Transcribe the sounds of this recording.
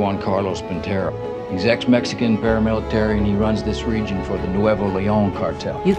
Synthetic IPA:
ɑ̃nkʰɑɹloʊspɨ̃ntʰɛɹoʊ | ɨzɛk̚smɛksɨkɨ̃npʰɛɹɨmɪlˠətʰɛɹiɨ̃niɹʌ̃nzðɪsɹid͡ʒɨ̃nfə˞ðɨnuɛvoliõʊ̃nkʰɑɹtʰɛ̰lˠjɨ

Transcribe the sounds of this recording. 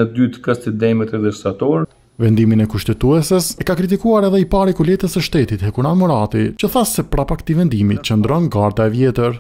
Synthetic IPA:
əd̪yt̪kast̪id̪ɛmɛt̪ɛðɛst̪at̪ɔɾ | vɛnd̪iminɛkuʃt̪ɛt̪uɛsəsɛkakɾit̪̬ikuaɾɛðɛipaɾikulɛt̪əsɛʃt̪ɛt̪it̪hɛkunamɔɾat̪it͡ɕəθasɛpɾapakt̪ivɛnd̪imit͡ɕənd̪ɾɔnɡaɾd̪aɛvjɛt̪əɾ

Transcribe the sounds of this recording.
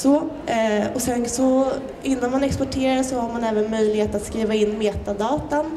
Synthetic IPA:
sɔ | ɔsɛnsɔ | ɪnːanmanɛkspɔʈʰeːɾaʂɔhaɾmanɛːvənmœjlɪɡheːt̪at̪skɾiːvaɪnːmeːt̪ad̪ɑːt̪an

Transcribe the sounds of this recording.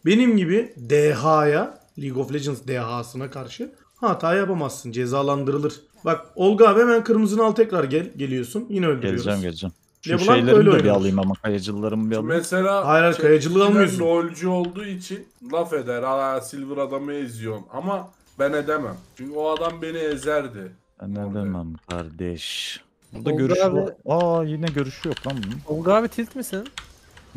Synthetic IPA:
be̞nimɟibid̪ɛɦaːja | lʲiɡo̞flʲed͡ʒɯnsd̪ɛɦaːsɯnakʰaɾʃɯ | haːt̪ʰaːjjapamazːɯnd͡ʒe̞zaːlˠand̪ɯɾɯlˠɯɾ̥ | bak̚o̞lˠɡaβemænkʰɯɾmɯzɯnalˠt̪ʰɛcɾaɾɟælʲɟe̞lʲijo̞sunjinɛølʲd̪ylʲjeod͡ʒæmɟelʲed͡ʒæm | lʲebulˠaejllʲeøjlʲed̪ɛbialˠɯjɯmamakʰajad͡ʒɯlˠɯːaɾɯmbialˠmmeselʲaːhajɾalʲkʰajad͡ʒɯlˠɯkalˠmɯjoølʲd͡ʒyolˠd̪uːit͡ʃʰinlˠafe̞d̪æɾasilʲvɯɾad̪amɯezijo̞na̰ma | bæned̪emæmt͡ʃʰyɲcyoad̪ambe̞niezæɾd̪ɪ | nɛd̪emæmkʰa̰ɾd̪ɛʃ | buɾd̪aɟøɾɛajinɛɟø̞ɾyʃyjok̚lamb̪uoɡaːvit̪ʰilʲt̪misin

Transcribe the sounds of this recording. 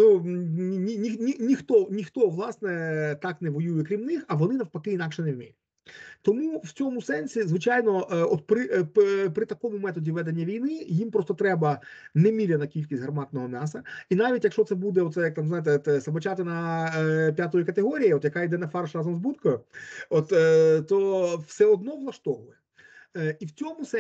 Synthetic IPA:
nu | nʲinʲixnʲinʲixt̪ɔnʲixt̪ɔʋlˠɑsnɛt̪ɑknɛʋɔjujɛkɾʲimnɪxɐʋɔnɪnɐwpɐkɪinɑkʃɛnɛwʲmʲḭlʲɪ | t̪ɔmuwt͡sʲɔmʊsɛnʲsʲizʋɪt͡ʃajnɔʔɔt̪̚pɾɪppɾɪt̪ɐkɔmʊmɛt̪ɔdʲiʋɛd̪enʲːɐʋʲijnɪjimpɾɔst̪ɔt̪ɾɛbɐnɛmʲilʲɛnɐkʲilʲkʲisʲtʲɦrɐmɑt̪nɔɦɔmʲasɐinaʋʲitʲjɐkʃt͡ʃɔt̪sɛbud̪ɛɔt̪sɛjɐk̚t̪amznajɪt̪ɛt̪ɛsɐbɐt͡ʃat̪ɪnɐ | pʲjat̪ɔjɪkɐt̪eɦɔɾʲijiɔt̪jɐkaɪd̪ɛnɐfɑrʃɾɑzɔmzbut̪kɔjɛɔt̪ːt̪ɔwsɛɔd̪nɔʋlˠɐʃt̪ɔʋʊjɛ | iwt͡sʲɔmʊsɛ

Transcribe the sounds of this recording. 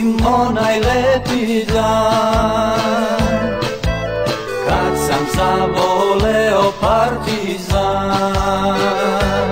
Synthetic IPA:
mːɔnajlɛt̪iza | kat̪samsabɔlɛɔpaɾt̪i | za

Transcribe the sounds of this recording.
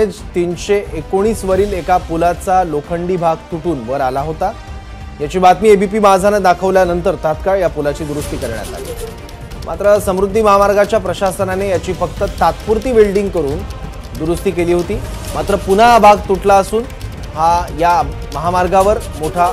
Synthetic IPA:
ed͡zt̪inɕeʔekoɽ̃iːsʋəɾiːlekapulat͡salokʰəɳɖiːbʱaɡ̚t̪uʈuːnʋəɾalaɦot̪a | jat͡ɕiːbat̪miːebʱip̬iːmad͡zʱanad̪akʰəʋljanənt̪əɾt̪at̪kaɭjapulat͡ɕiːd̪uɾust̪iːkəɾɳja̰t̪a̰lḭː | mʔa̰t̪ɾəsəmɾud̪ʱːiməɦamaɾɡat͡ɕjapɾəɕasənanejat͡ɕiːfəkt̪ət̪at̪puɾt̪iːbilɖiŋɡ̚kəɾuːn | d̪uɾust̪iːkeliːɦot̪iː | mat̪ɾəpunabʱaɡ̚t̪uʈlaəsuːn | ɦaja | məɦamaɾɡaʋəɾmoʈʰa

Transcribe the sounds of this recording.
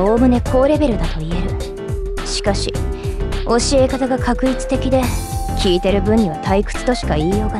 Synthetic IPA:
o̞ːmɯ̟ne̞kʰo̞ːɾe̞be̞ɾɯ̟d̪at̪o̞ie̞ɾɯ̟ | ɕi̥kaɕḭ | o̞ɕie̞kat̪aɡakʰakɯ̟it͡sɨ̥t̪e̞kʲid̪e̞kʲiːt̪e̞ɾɯ̟bɯ̟̃ɲ̟ːiβat̪ʰaikɯ̟̥t͡sɨ̥t̪o̞ɕi̥kaiːjo̞ːɡa

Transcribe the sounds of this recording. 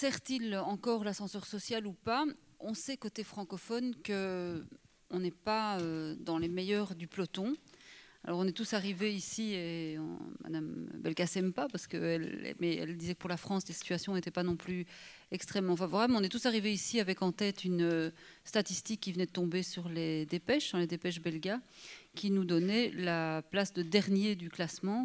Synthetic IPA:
sɛʁt̪ilɑ̃kɔʁlasɑ̃sœʁsɔsjalupa | ɔ̃sɛkot̪efχɑ̃kɔfɔnkə | ɔ̃nɛpaød̪ɑ̃lemejœːʁd̪yplɔt̪ɔ̃a̰lɔʁɔ̃nɛt̪usaʁiveisieɑ̰̃ma̰d̪am̰bɛlkasɛmpapaʁsə̥kəɛlɛ̰mɛɛ̰ld̪izɛkəpuʁlafχɑ̃slesi̥t̪yasjɔ̃et̪ɛpanɔ̃ply | ɛkst̪χɛmːɑ̃favɔʁablɔ̃nɛt̪usaʁiveisiavɛkɑ̃t̪ɛːt̪ynøst̪at̪ist̪ikʲːivənɛd̪ət̪ɔ̃besyʁled̪epɛʃd̪ɑ̃led̪epɛʃ̬bɛlɡʲakʲʰinud̪ɔnɛlaplasd̪əd̪ɛʁnjed̪yklasmɑ̃

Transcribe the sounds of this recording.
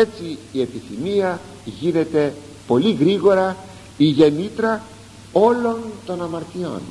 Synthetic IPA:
et͡siːe̞piθimiɐ | ʝine̞t̪e̞ | po̞liɣɾiɣo̞ɾɐ | iʝe̞nit̪ɾɐ | o̞lo̞nt̪o̞nɐmɐɾt̪io̞̰n

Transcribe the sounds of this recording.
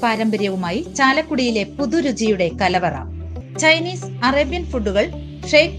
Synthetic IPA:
paːɾɐmbɐɾjɐʋumaːjit͡ɕaːlɐkːuɽijile̞puðuɾud͡ʑijuɽe̞kɐlɐʋɐrɐ̰ | t͡ɕɐjniːsɐrɐbjɐnfuɖːuɣɐɭ | ʂejk

